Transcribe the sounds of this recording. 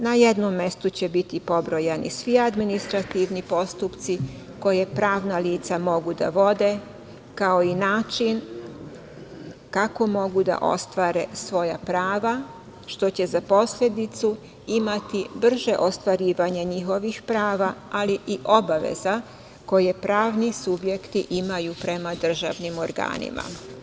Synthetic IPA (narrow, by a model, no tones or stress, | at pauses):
najed̪nomːe̞st̪ut͡ɕebit̪ipo̞bɾo̞jenḭsʋiad̪minist̪ɾat̪iʋnipo̞st̪upt̪si | ko̞jepɾaːʋnaliːt̪samo̞ɡud̪a̰ʋo̞d̪e̞ | kao̞inaːt͡ʃin | kako̞mo̞ɡud̪a̰ʔo̞̰st̪ʋaːɾe̞sʋo̞ja̰pɾaːʋa | ʃt̪o̞t͡ɕe̞zapo̞sʎʲe̞d̪it̪su | imat̪ibr̩ʒe̞ʔo̞st̪ʋaɾiːʋaɲaɲixo̞ʋixpɾaːʋaaliʔiʔo̞baʋḛza | ko̞je̞pɾaːʋnisubje̞kt̪iʔimajupɾe̞mad̪r̩ʒa̰ʋnimo̞ɾɡa̰ːnḭma̰